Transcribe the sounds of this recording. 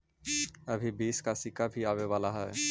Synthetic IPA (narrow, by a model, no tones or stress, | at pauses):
əbʱibiːskasɪkabʱiaːʋeʋaːlaɦɛː